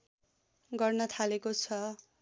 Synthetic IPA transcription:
ɡʌrnʌt̪ʰalekot͡sʰʌ

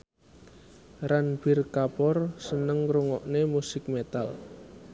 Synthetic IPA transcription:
ranb̥ɪrkapɔrsənəŋɾuŋɔʔnemusɪk̚met̪al

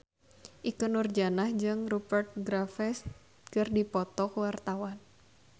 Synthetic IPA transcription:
ʔikənurd͡ʒanahd͡ʒɨŋrubərt̪̚ɡɾafɛs | kɨrdipɔt̪ɔkwart̪awan

